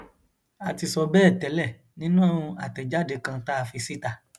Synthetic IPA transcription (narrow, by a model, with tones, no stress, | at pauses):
a˨ti˧sɔ˧bɛː˦ɛ˦˨tɛ˨˦lɛ˦˨ | nĩ˦nũ˦ɛ̃˦˨˧a̰˨tɛ˨d͡ʒa˦˨de˧kã˧ta˦a˨fi˧si˦ta˧˨